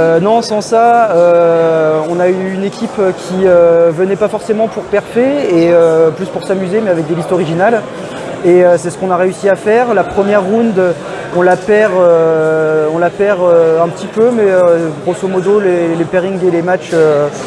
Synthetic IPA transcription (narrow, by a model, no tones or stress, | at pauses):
ønɔ̃sɑ̃saø | ɔ̃nayːnekʲipkʲʰiøvənɛpafɔʁsemɑ̃puʁpɛʁfeeøplyspuʁsamyzemɛavɛk̚d̪elist̪ɔʁiʒinal | eøsɛsə̥kɔ̃naʁeysiafɛʁlapχəmjɛʁːɔ̃nd̪ø | ɔ̃lapɛʁø | ɔ̃lapɛʁøɛ̃pət̪ipømɛøɡʁosomɔd̪olelepeʁiŋɡelemat͡ʃø